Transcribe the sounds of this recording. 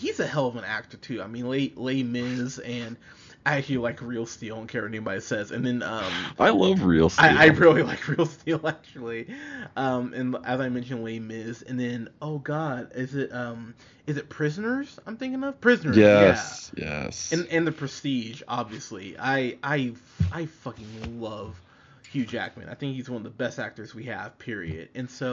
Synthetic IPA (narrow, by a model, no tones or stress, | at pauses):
hizɨhɛlˠʌvə̃næ̰k̚tə˞tʰʉaɪmĩnleɪleɪmɪzɨ̃n | ʔæt͡ʃl̩ˠilaɪkɹilˠstil̃ˠnkʰɛɹnibɑɾisɛzɨ̰̃nðɨ̃nʌ̃mʔaɪlʌvɹḭl̩ˠstaɪiʔaɪpʰɹ̥ɑbblilaɪkʰɹilˠstilˠæk̚t͡ʃl̩ˠiʔʌ̃mʔɨ̃nʔɨzaɪmɛ̃nʃɨ̃nleɪmɪzɨ̰̃nðɨ̃noʊɡɑdɪzɪtʌ̃m | ɨzɨt̚pʰɹ̥ɪzɨnə˞z̥ãɪ̃mθɪ̃ŋkɪ̃ŋʌv̥pʰɹ̥ɪznə˞jɛv̥jɛ̰sɨ̃nɨ̃nðɨpʰɹ̥ɨstid͡ʒɑ̰bviɨsliʔa̰ɪʔaɪ | ʔaɪfʌkɪ̃ŋlʌv̥ | hjʉd͡ʒæ̰k̚mɨ̰̃na̰ɪθɪ̃ŋkhizwʌnʌvðəbɛstæ̰k̚tə˞zwiɨ̰v̥pʰɪɹḭɨ̰d̥ɨ̃nsoʊ